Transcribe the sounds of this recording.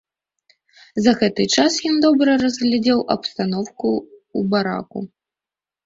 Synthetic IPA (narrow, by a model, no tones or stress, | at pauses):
zɐɣɛt̪ɨt͡ʂasjɔnd̪ɔbɾɐrɐzɣlʲad͡zʲɛwʔɐpst̪anɔwkuːbaɾa̰kṵ